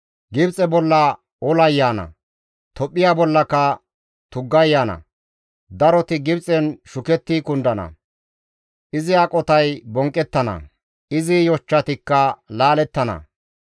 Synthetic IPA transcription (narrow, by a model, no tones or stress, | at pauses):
ɡɪbt͡sʼɛbɔlːɐ | ɔlɐjːaːnɐ̰ | t̪ɔpʼːɪjaːbɔlːɐkɐ | t̪ʊɡːɐjːaːnɐ̰ | d̪ɐɾɔt̪ɪɡɪbt͡sʼɛnʃʊkɛt̪ːiːkʊnd̪ɐnɐ̰ | ʔɪzɪɐkʼɔt̪ɐjbɔŋkʼːɛt̪ːɐnɐ̰ | ɪzɪjɔt͡ʃːɐt̪ɪkːɐlaːlɛt̪ːɐnɐ̰